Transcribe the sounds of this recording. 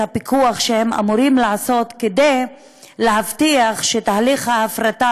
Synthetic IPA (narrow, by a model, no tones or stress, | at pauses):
apikʰuaχʃehema̰muɾimlaaso̞t̪ked̪ej | leɦavtiaχʃet̪aɦaliχhaafɾat̪a